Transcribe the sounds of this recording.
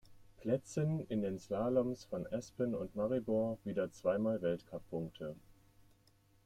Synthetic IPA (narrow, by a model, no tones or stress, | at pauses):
pʰl̥ɛt͡sənɪndeːnslaːlɔmsfɔnʔɛspənʊntmaʁibɔɐviːdɐt͡sv̥aɪmaːlvɛltkʰapʰːʊŋk̚tʰə